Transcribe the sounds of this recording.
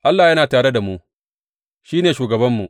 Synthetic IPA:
ʔa˦lːaː˨jɐ˦naː˨taː˨ɽe˦da˨mu˦ | ʃiː˦neː˨ʃuː˨ɡɐ˨bɐ˦mːu˨ʔ

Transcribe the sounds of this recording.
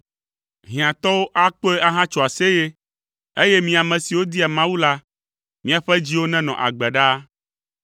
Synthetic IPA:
ɦĩ˨ã˨t̪ɔ˦wo˦ʔa˦k͡po˦e˦ʔa˦ɦã˦t͡ʃo˨a˨se˦je˦ | e˦je˦mĩ˨a˨mɛ̃˨si˨wo˦d̪i˦a˨mã˦wu˦la˦ | mĩ˦a˨ɸɛ˦d͡ʑi˦wo˦nɛ̃˦nɔ̰̃˨ʔa̰˨ɡ͡bɛ˨ɖa˦

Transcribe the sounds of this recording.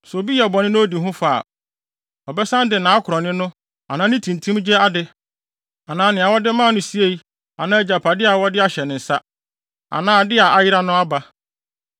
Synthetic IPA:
so˨bi˦jɛ˨ɔ˨bɔ˨nɪ̃˦nʊ̃˦o˦di˨ɦʊ̃˦fa̰˦˨ | ɔ˨bɛ˦sã˦n˦dɪ˨nã˨˦kʰʊ˨ɾɔ˨nɪ̃˦nʊ̃˦ | a˨nãː˨˦nɪ̃˦tʰĩ˨n˨tʰũ˦m˦d͡ʑɛ˦a˦dɪ˦ | a˨nãː˨˦nɪ̃˨a˨wɔ˦dɪ˦mã˦˨nʊ̃˦si˦e˦i˦ | a˨nãː˦˨d͡ʑa˨pʰa˨dɪ˦a˨wɔ˦dɪ˦a˨ɕɛ˨nɪ̃˨n̩˨sa˦ | a̰˨nãː˨˦˨dɪ˦a˨a˨jɪ˦ɾa˦nʊ̃˦a˦ba˨

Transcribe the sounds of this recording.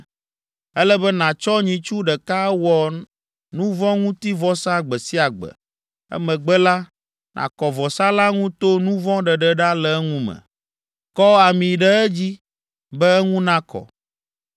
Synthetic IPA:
ɛ˦lɛ˦bɛ˦nã˨t͡ʃɔ˦ɲĩ˨t͡ʃu˦ɖɛ˨ka˦wɔ˨ | nũ˦vɔ̃˦ŋũ˦t̪i˦vɔ˦sã˦˨ɡ͡bɛ˨si˦a˨ɡ͡bɛ̰˨ | ɛ̰˦mɛ̃˨ɡ͡bɛ˦la˦ | nʔã̰˨kɔ˨vɔ˨sã˦la˦ŋũ˦t̪o˦nũ˦vɔ̃˦ɖɛ˨ɖɛ˨ɖa˦lɛ˨˦ŋũ˦mɛ̰˨ | kɔ˦a˨mĩ˨ɖɛ˦ɛ˦d͡ʑi˦ | bɛ˦ɛ˦ŋũ˦nã˦kɔ̰˨

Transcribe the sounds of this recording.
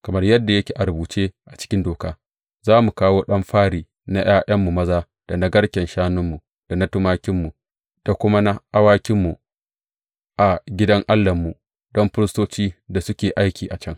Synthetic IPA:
kɐ˨mɐ˦rjɐ˦dːa˨jɐ˦kʲeː˨ʔa˨ɾʊ˨buː˨t͡ʃeː˦ʔa˨t͡ʃɪ̥˦kʲɪ˦ndoː˨kaː˦ | zaː˦mu˨kaː˦woː˦ɗɐ˦mɸaː˦ɽiː˨ | na˦jʔaː˦jʔɐ˦mːu˨mɐ˦zaː˦ | d̥a˨na˦ɡɐ˦ɽkʲɛ˨nʃaː˦nʊ˦mːu˨ | d̥a˨nɐ˦tʊ˦maː˦kʲɪ˦mːu˨ | d̥a˨kʷʊ˦ma˦na˦ʔa˦waː˦kʲɪ˦mːu˨ | ʔa˨ɡʲɪ˦dɐ˦ŋʔa˦lːɐ˨mːu˨ | dɔ˦mɸɪ˦ɾɪ˦stoː˦t͡ʃiː˦da˨sʊ˦kʲeː˨ʔa˦jkʲiː˨ʔa˨t͡ʃɐ˦ŋ

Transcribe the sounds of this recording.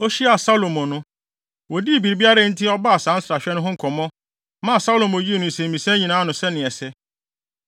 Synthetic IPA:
o˦ɕi˦a˨sa˦lo˨mɔ̃˨nʊ̃˦ | wɔ˨di˦˨bi˨ɾi˨bi˦a˦ɾa˦n̩˦tʰɪ˦ɔ˦ba˦a˨sãː˨˦n̩˦sɾa˨ɕᶣɛ˦nʊ̃˦ɦʊ̃˦ŋ̩˨kʰɔ̃˨mɔ̃˦ | mã˦a˨sa˦lo˨mõ˨˦ji˦e˨nʊ̃˨sɛ̃˨m̩˨mĩ˨sɛ̃˦ɲĩ˨nãː˨˦nʊ̃˨sɛ˦nɪ̃˨ɛ˨sɛ˦

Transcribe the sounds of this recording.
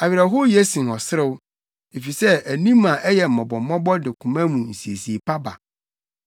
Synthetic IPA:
a˨ɥɪ˨ɾa˨ɦo˦je˦sĩ˨n˨ɔ˨sɪ˦ɾɪ˦w | e˨fi˨sɛ˦æ˨nĩ˦mːã˨ʔɛ˦jɛ˨m̩˨ɔ̃˨bɔ˨m˦mɔ̃˦bɔ˦dɪ˨kʰũ˨mã˦mũ˨n̩˨si˨e˨si˨e˨pʰa˦ba̰˨

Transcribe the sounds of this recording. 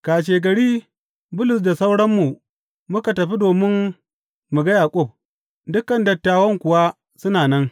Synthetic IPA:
kaː˨ʃeː˨ɡɐ˨ɽiː˦ | bʊ˦lʊ˨s̬da˨sa˦wɽɐ˦mːu˨ | mʊ˦ka˨tɐ˨ɸi˦doː˨mɪ˦n | mu˨ɡɐ˦jaː˨kʷʼʊ˦˨p̚ | dʊ˦kɐ˨ndɐ˨tːaː˨wɐ˦ŋkʷʊ˨wa˦ | sʊ˦naː˨nɐ˦ŋ

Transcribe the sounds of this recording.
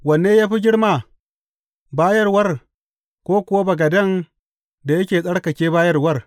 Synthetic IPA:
wɐ˨nːeː˦jaː˦ɸi˦ɡʲɪ˦ɽmaː˨ | baː˦jɐ˦rwɐ˦r | kʷoː˦kʷʊ˨wa˦bɐ˨ɡɐ˨dɐ˦ŋ | da˨jɐ˦kʲeː˨sʼɐ˦ɽkɐ˨kʲeː˦baː˦jɐ˦rwɐ˦r

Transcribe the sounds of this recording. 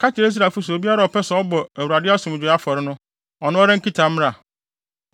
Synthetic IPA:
kʰa˦t͡ɕʰɪ˨ɾe˦s̬ɾa˨fu˦sʊ˨o˨bi˦a˦ɾa˨ɔ˨pɛ˦sɛ˨ɔ˦bɔ˨æ˨wu˨ɾa˨dɪ˦a˦sʊ̃˨m˨d͡ʑᶣʊ˨˦a˦fɔ˨ɾɪ˦nʊ̃˦ | ɔ˨nʊ̃˦ɔ˦ɾɪ̃˦ŋ̩˦ki˦tʰa˨m˦ɾa˦˨

